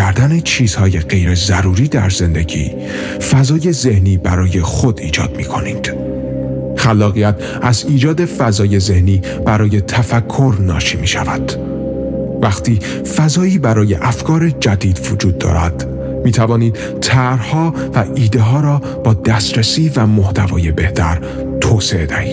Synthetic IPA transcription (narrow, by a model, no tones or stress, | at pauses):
æɾd̪æne̞t͡ʃʰiːz̥hɒːje̞ɢejɾe̞zæɾuːɾiːd̪æ̰ɾze̞nd̪e̞ɟḭː | fæzɒːje̞ze̞hniːbæɾɒːje̞xod̪iːd͡ʒɒ̰ːd̪̥̚miːkʰo̞̰nḭːd̪̥ | xælːɒːɣijæt̪ | æziːd͡ʒɒːd̪e̞fæzɒːje̞ze̞hniː | b̥æɾɒːje̞t̪ʰæfækʰːo̞ɾnɒ̰ːʃiːmiːʃævæ̰d̪̥ | væxt̪ʰiː | fæzɒːiːbæɾɒːje̞̰ʔæfkʰɒːɾe̞d͡ʒæd̪iːd̪vod͡ʒuːd̪̚ːɒ̰ːɾæ̰d̪̥ | miːt̪ʰævɒːniːd̪̥ | t̪ʰæɾhɒː | væʔiːd̪e̞ɦɒːɾɒː | b̥ɒːd̪æst̪ɾesiːvæmoht̪ʰævɒ̰ːje̞be̞ht̪ʰæ̰ɾ | t̪ʰoːseʔed̪æhiːd̪̥̚